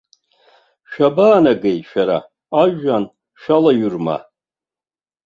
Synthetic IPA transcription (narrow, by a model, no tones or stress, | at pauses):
ʃᶣabaːnaɡejʃᶣaɾa̰ | aʒan | ʃᶣalaɥʊrma̰